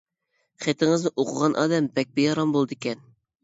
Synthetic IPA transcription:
χet̪ʰɪŋɨznɨʔoqʰʊʁɑnʔɑ̰ːd̪ɛmbɛk̚ʲbɪjɑɾɑmbolˠd̪ɪkʲɛn

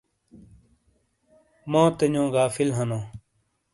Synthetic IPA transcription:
mõːt̪əɲõːɡaːfɪlɦənõː

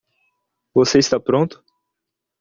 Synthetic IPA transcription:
voseist̪apɾõnt̪ʊ̥

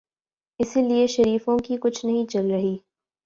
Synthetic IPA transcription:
ɪsilieʃɐɾiːfõkikʊt͡ʃʰnɐɦĩt͡ʃɐlɾɐɦiː

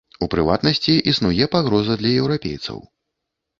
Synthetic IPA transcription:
upɾɨva̰t̪nɐsʲt͡sʲiʔisnujɛpaɣɾɔzɐd̪lʲɐjɛwɾapʲḛjt̪sɐ̰w

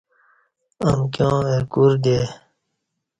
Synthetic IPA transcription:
əmkjõːekuɾd̪e

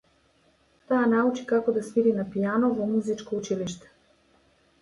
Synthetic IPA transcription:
t̪aːnaut͡ʃi̥kakɔd̪asmiɾinapijanɔvɔmuzit͡ʃkɔut͡ʃiliʃt̪ɛ̥

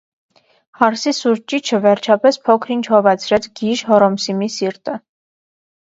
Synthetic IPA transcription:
hɑɾsisuɾt͡ʃit͡ʃʰəvɛɾt͡ʃʰɑpɛspʰɔkʰɾint͡ʃʰhɔvɑt͡sʰɾɛt͡sʰɡiʒɦɔɾɔmsimisiɾt̪ə

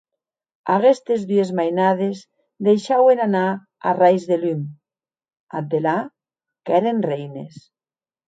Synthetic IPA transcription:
aɣest̪ezðyezmajnaðez | d̪ejʃawenana | a̰rajzðelym | ad̪ela | kɛɾenrejnḛs

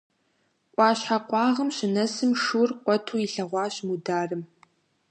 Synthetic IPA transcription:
ʔʷʼɑːɕħaqʷʼɑːʁəmɕɪnɐsɨmʂurqʷɔtʰuːiɬɐʁʷɑːɕmudaːrɨm

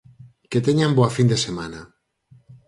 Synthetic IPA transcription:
ket̪eɲamboafind̪esemana

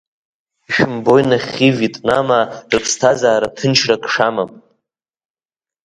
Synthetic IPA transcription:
iʃᶣɪmbo̞jnaχʲivitʼnamarɨpʰstʰazaːɾatʰɨnt͡ʃʰrakʰʼʂamam

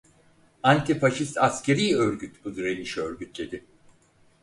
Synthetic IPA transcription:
ant̪ʰifaʃist̪ʰascʰe̞ɾijøɾɟyt̪bud̪yɾeniʃøɾɟyt̪ʰlʲe̞d̪ɪ

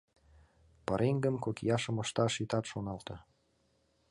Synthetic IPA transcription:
pəɾʔeŋɡə̆mkokjɑʃɤ̆mə̆ʃt̪ɑʃit̪ɑt̪ʃonɑlt̪ɤ̆

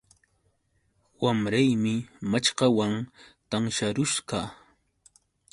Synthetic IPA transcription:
wamɾajmɪmat͡ʃɢɑwant̪aŋʃaɾʊʃɢɑ

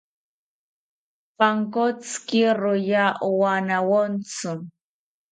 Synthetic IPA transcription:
paŋkot͡skiɾʊjaʔuwanawont͡sʊ

